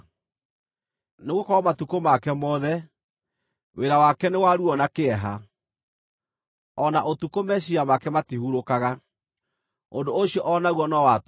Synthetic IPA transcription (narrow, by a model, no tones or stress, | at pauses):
neɣokɔɾɔmatukomakɛmɔðɛ | weɾawakɛnewaɾuɔnakeɛɦa | ɔnaʔotukomɛʃiamakɛmatihuɾokaɣa | ondoːɕiɔʔɔnaɣwɔnɔwat